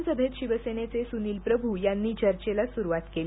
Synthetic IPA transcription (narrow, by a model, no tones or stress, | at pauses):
səbʱet̪ɕiʋəsenet͡sesuniːlpɾəbʱujanːiːt͡ɕəɾt͡ɕelasuɾuʋat̪kel